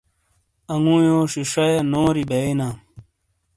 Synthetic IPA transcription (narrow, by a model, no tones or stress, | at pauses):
ɐŋũːjoːɕiʂɐjenoːɾibeinaː